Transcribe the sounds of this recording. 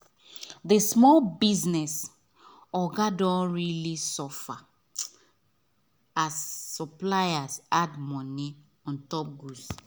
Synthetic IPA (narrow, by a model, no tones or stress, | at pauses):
ðesmɔlbiznɛs | ɔɡadɔ̃nɹilisɔfa | azːɔplajasadmɔni | ɔ̃ntɔp̚ɡus